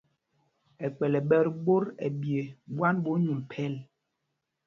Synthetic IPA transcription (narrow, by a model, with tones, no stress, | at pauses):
ɛ˨k͡pɛ˨lɛ˨ɓɛ˦ɾbo˦ɾɛ̰˨bje˨bwa˦nbo˦ɲu˨m˨pʰɛ˦˨l